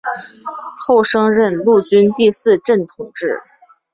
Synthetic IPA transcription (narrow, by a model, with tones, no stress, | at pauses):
xo˥˩ʊʂɤ˥ŋɻə˥˧nlu˥˩t͡ɕy˥nt̪i˥˧sɹ̩˥˧ʈ͡ʂə˥˩nt̪ʰʊ˨˩˦ŋʈ͡ʂɻ̩˥˩